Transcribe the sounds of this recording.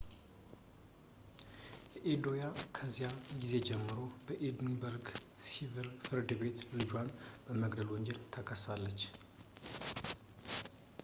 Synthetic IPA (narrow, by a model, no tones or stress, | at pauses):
jɛʔed̪o̞jakʰəzjaɡize̞d͡ʒɛmːɨɾo̞bəʔed̪nbəɾɡ | sivəɾfɨɾd̪be̞t̪lɨd͡ʒwanbəməɡd̪əlwɔɲd͡ʒelt̪ʰəkʰəsalːət͡ʃː